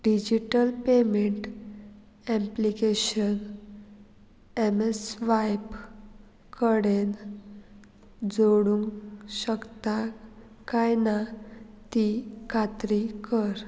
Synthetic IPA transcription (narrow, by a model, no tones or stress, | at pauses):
ɖid͡ʑiʈəlpemeɳʈ | ẽmplikeɕən | emesʋajp | kəɽen | d͡zoɽuŋkɕəkt̪a | kajnat̪ikʰat̪ɾikəɾ